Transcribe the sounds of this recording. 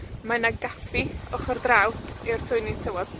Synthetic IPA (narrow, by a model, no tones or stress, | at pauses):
manaɡafiɔχɔrdrawdɪr̥tʰʊjnitʰəwɔd